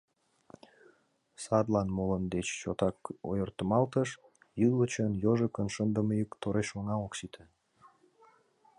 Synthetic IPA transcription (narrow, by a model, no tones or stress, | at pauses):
sɑd̪lɑnmolənd̪et͡ɕːot̪ɑko̰jərt̪əmɑlt̪əʃ | jɯlət͡ɕənjoʒəkənʃənd̪əməjukt̪oɾeʃoŋɑoksit̪ʰə